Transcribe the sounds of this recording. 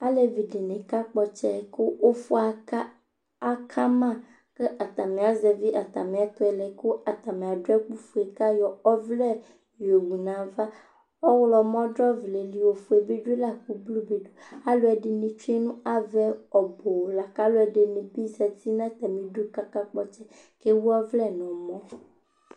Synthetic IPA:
a˦le˨vi˨ɖe˨ne˨ka˦k͡pɔ˨t͡ʃɛ˦˨ke˦wo˦fo˦a˨a˦ | a˦kʰa˦mã˦˨ | ke˦ʔa˨t̪a˨mẽ˨a˨zɛ˨vi˦ʔa˨t̪a˨mẽ˨a˨t̪ɔ˦ɛ˨lɛ˨ko˦ʔa˨t̪a˨me˨a˨do˦ɛ˦k͡pu˦fu˨ɛ˨ka˦jɔ˨ɔ˦vlɛ˦ | jo˨wu˨nã˨va˦ | ɔ˦wlɔ˨mɔ̃˦dɾɔ˦vle˨li˨wo˨fo˨e˨be˦ɖu˦e˦la˦ku˦blu˦be˨ɖo˨˦a˦lo˦ɛ˨ɖe˨nĩ˨t͡ʃu˦ɛ˦nũ˦a˨vɛ˦ɔ˨bo˨la˨ka˦lo˦ɛ˨ɖe˨nĩ˨bi˦zɛ˨t̪i˦nã˦t̪ɛ˨mĩ˨ɖo˦ka˦ka˦k͡pɔ˦t͡ʃɛ˦ | ke˦wu˦ɔ˦vlɛ˦nɔ̃˨mɔ̃˦

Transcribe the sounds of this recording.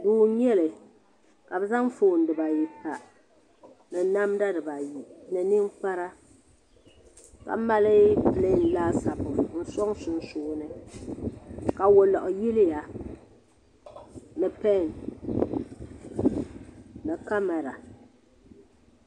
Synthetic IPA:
duː˨˦ɲɛ˦lɨ˨ | ka˨bɛ˦za˦ŋ˦foː˨n̩˨˦dɨ˨ba˨ji˨ta˨ | nɨ˨na˦mda˦dɨ˨ba˨ji˨nɨ˨nɨ˦ŋk͡pa˦ɾa˦ | ka̰˨˦ma˦lɪ˦pɨ˨le˦n̩˦laː˦sa˨bʊ˨n̩˦sɔ˦ŋsʊ˦n˦suː˨˦nɨ˦ | ka˨wo˨lɔ˨ʔʊ˨ji˦lɪ˦ja˨ | nɨ˨pɛ˦˨n | nɨ˨ka˦mɛ˨ɾa˨

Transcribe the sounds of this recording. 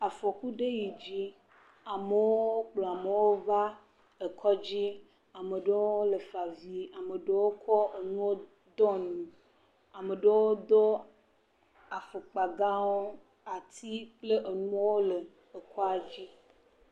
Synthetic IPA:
a˨fɔ˨ku˦ɖe˦ji˨d͡ʑi˦ | a˨mə˨wo˦o˦k͡plo˨a˨me˨wo˦va˦ | e˨kʰɔ˦d͡ʑi˦ | a˨mə˨ɖe˦woo˦lə˨fa˨vi˨a˨mə˨ɖe˦wo˦kʰɔ˦ʔe˨nũ˦wo˦ | d̪ɔ˦nũ˨ | a˨mə˨ɖe˦wo˦d̪o˦ | a˨fe˨k͡pa˨ɡa˦wo˦ | a˨t̪i˦k͡ple˦ʔe˨nũ˦wo˦le˨ | e˨kʰɔ˦a˨d͡ʑi˦

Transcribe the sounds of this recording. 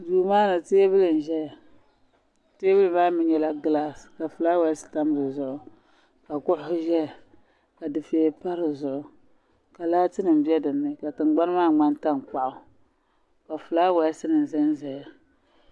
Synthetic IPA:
duː˨maː˦nɨ˨teː˦bɨ˦lɨ˨n˨ʒɛ˦ja˨ | teː˦bɨ˦lɨ˦˨maː˦mɨ˦ɲɛ˨la˦ɡɨ˦la˦ska˨fu˨la˦wɛ˨˦sɨ̥˨ta˦m˦bɨ˨zʊ˨ʔʊ˦ | ka˨kʊ˦ʔʊ˦hʊ˦ʒɛ˦a˨ | ka˨dɨ˨fe˨˦pa˦ɾɨ˨zʊ˨ʔʊ˨ | ka˨laː˦tɨ˦nɨ˨m˨bi˦ɛ˦dɨ˨nːɨ˦ka˨tɨ˨nɡ͡ba˦n˦maː˦˨ŋ͡ma˦nta˦ŋk͡pa˨ʔʊ˦ | ka˨fɨ˨la˦wɛ˨˦sɨ˦nɨ˨n˨zɨ˦nzɛ˨ja˨

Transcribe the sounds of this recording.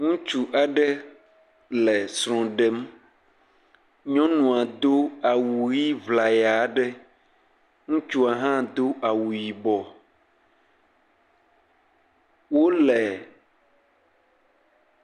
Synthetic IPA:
ŋũ˦t͡ʃu˦ʔa˨ɖɛ˦ | lɛ˨sɾ̃ɔ̃˨ɖɛ˦m | ɲɔ̃˦nũ˨a˨d̪o˦a˨wuu˨ji˦vla˨ja˨ɖɛ˦ | ŋũ˦t͡ʃu˦a˨ɦã˦d̪o˦ʔa˨wu˨ji˨bɔ˨ | wo˦lɛ˨

